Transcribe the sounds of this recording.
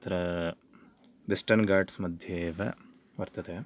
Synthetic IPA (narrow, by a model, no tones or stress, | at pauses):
t̪ɾɐ | bisʈɐnɡaːɾɖsmɐd̪ʱjeːʋɐ | ʋɐɾt̪ɐt̪e